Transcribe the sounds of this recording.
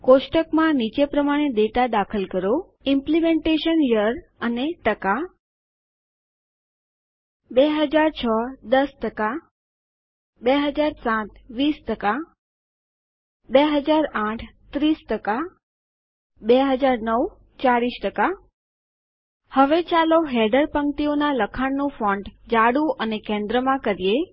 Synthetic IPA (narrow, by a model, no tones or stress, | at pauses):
koʃʈəkmãnit͡ʃepɾəmaɽ̃ed̪eʈad̪akʰəlkəɾo | ɪmplimẽɳʈeʃənjəɾ | əneʈəka | beɦəd͡ʒaɾt͡ʃʰəd̪əsʈəka | beɦəd͡ʒaɾsãt̪̚ʋisʈəka | beɦəd͡ʒaɾãʈʰt̪ɾisʈəka | beɦəd͡ʒaɾnəw | t͡ʃaɾiʃʈəka | həʋet͡ʃaloɦɛɖəɾpəŋt̪ionaləkʰaɳnũfɔ̃ɳɖd͡ʒaɽũʔənekɛ̃nd̪ɾəmãkəɾije